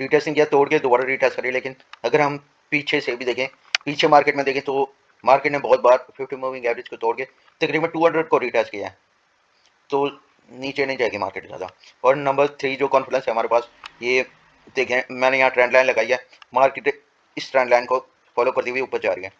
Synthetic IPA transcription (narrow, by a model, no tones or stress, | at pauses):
ɾiːʈeːsʈnĩŋkijat̪oːɽked̪oːbaːɾəɾiːʈeːskɐɾeːeleːkɪnɐɡəɾɦɐm | piːt͡ʃʰesebʱid̪eːkʰẽ | piːt͡ʃʰemaːɾkeːʈmẽd̪eːkʰẽːt̪o | maːɾkeːʈnẽbɔːt̪̚baːɾfʰɪfʰʈimuːʋɪ̃ŋɡɛːʋɾed͡ʒkot̪oːɽkee | t̪ɐkɾiːbəʈuːɦɐ̃ɳɖɾəɖ̚koɾiːʈeːskijaɦɛː | t̪oː | niːt͡ʃenɐɦĩd͡ʒaːeɡima̰ːɾkeːʈzja̰ːd̪a̰ | ɔːɾnɐ̃mbəɾt̪ʰɾiːd͡ʒoːkɔ̃ːnfɪɖɛ̃nsɦɛɦɐmaːɾepaːsjeː | d̪eːkʰẽmɛ̃ːnejɐɦãʈɾɛ̃ːɳɖlaːɪnlɐɡaːiɛː | maːɾkeʈe | ɪsʈɾɛ̃ːɳɖlaːɪnko | fɔːloːkɐɾt̪iɦiʊpːəɾt͡ʃa̰ːɾiɛ̃ː